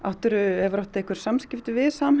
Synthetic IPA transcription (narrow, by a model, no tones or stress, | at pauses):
aht̪ʏɾʏɛvɾawht̪aehkvʏɾ̥samscɪft̪ɪvɪðsaːm